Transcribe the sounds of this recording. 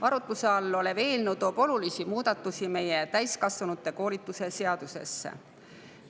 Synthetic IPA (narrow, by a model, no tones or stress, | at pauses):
ɑɾut̪ːˑuse̞ɑlːo̞leve̞ːlnud̪o̞ːb̥o̞lulisimuːd̪̥ɑt̪ːˑusime̞je̞t̪æjskɑsvɑnut̪ːˑe̞ko̞ːlit̪ːˑuse̞se̞ɑd̪̥use̞̰sːḛ